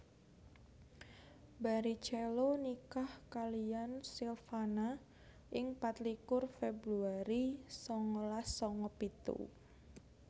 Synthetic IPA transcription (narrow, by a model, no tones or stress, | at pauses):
baɾi̥t͡ʃɛlonikahkalijansilfana | ʔɪŋpat̪likʊrfebɾuaɾisɔŋɔlasɔŋɔpit̪ṵ